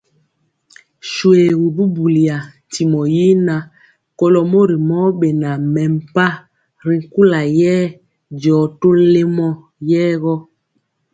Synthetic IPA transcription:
ʃwe˨ɣu˨bu˦bu˨li˨a˨ | ti˨mɔ˨ji˦na˨ | kɔ˦lɔ˨mo˦ɾi˨mɔ˦ɓe˨na˨mɛ˨m˨pa˦ | ɾi˨ŋ˨ku˦la˨jɛː˦ | d͡ʒɔː˨to˦le˦mɔ˦ | jɛː˦ɣɔ˦

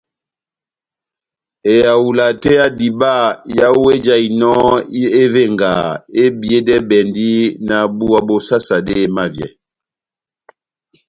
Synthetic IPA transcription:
e˨ja˨wu˨la˨tɛ˦a˦di˨ba˦˨ja˦we˦d͡ʒa˦i˨nɔ˦e˦ve˦˨ŋɡa̰˨e˦bi˨e˦dɛ˦bɛ˨ndi˦na˨bu˦a˨bo˨sa˦sa˨de˦˨ma˦vjɛ̰˨

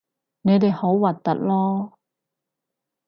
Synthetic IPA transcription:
ne˨˧jt̪e˨jho˨˥wwɐ˨˩t̚t̪ːɐ̰˦˥t̚lɔː˥

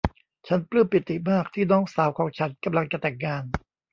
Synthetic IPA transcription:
t͡ɕʰa˦˥nplɯː˥˩mpi˨˩t̪ːi˨˩maː˥˩k̚t̪ʰiː˥˩nɔː˦˥ŋsaː˩˦wkʰɔː˩˦ŋt͡ɕʰa˦˥nka˧mla˧ŋt͡ɕa˧˩t̪ɛː˨˩k̚ŋaː˧n

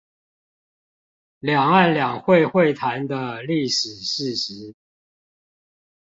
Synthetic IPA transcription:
ljɑ˨˩ŋa˥˨nljɑ˨˩ŋxwe˥˨ɪxwe˥˨ɪt̪ʰa˨˦nd̪ə˧li˥˨ʂɻ̩˨˩ʂɻ̩˥˨ɕi˨˦

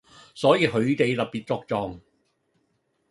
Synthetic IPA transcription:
sɔː˨˥jiː˨˧ɦɵ˨˧˥ɥt̪e˨jt̪ɐ˨p̚piː˨t̚t͡sɔː˧k̚t͡sɔː˨˧ŋ

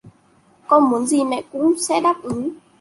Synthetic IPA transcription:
kɔ˧nmu˨˦ənzi˨˩mɛ̰˧˨kʊ̰˧˥ŋ͡msɛ̰˧˥ɗaː˦˥p̚ʔɨ˨˦

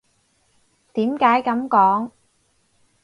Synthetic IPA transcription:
t̪iː˨˥mkaː˨˥jkɐ˨˧˥mkɔː˨˥ŋ

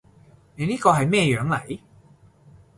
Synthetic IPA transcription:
ne˨˧niː˥kɔː˧ɦɐ˨jmɛː˥˧jœː˨˥ŋlɐ˨˩j

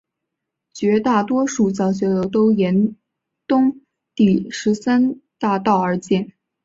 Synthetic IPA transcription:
t͡ɕɥɛ˧˥t̪a˥˩t̪wɔ˥ʂu˥˩t͡sɑ˥˩ʊɕ̬ɥɛ˧˥lo˧˥ʊt̪o˥ʊjɛ˧˥n | t̪ʊ˥ŋ | t̪i˥˩ʂɻ̩˧˥sa˥nt̪a˥˧t̪ɑ˥˩ʊə˞˧˥t͡ɕjɛ˥˩n

